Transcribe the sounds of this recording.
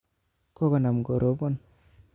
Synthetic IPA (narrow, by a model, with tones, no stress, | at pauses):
ko˦kɔ˨na˨mɡo˨ɾʔo˨pɔ˦n